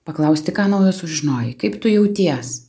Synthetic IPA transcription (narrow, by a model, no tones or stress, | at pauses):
pɐklˠɐʊsʲt̪ʲɪkɑːnɐʊjoːsʊʒʒʲɪnoːjɪkɐɪpt̪ʊjɛʊt̪ʲiɛs